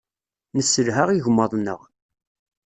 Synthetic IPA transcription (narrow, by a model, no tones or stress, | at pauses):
nəsːəlɦaʁiʝmːɑðˤnə̰ʁ